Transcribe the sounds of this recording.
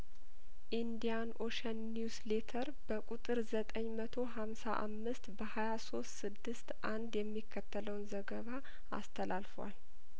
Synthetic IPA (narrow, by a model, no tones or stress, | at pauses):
ʔind̪ijano̞ʃənːjusle̞t̪ʰəɾb̥əkʼut̪ʼɨɾzət̪ʼəɲːmət̪ʰo̞ɦamsaʔa̰mːɨst̪bəhajaso̞st̪sɨd̪ːɨst̪ʔand̪jɛmːikʰːət̪ʰːələwnzəɡəβa | a̰st̪ʰəlalfwa̰l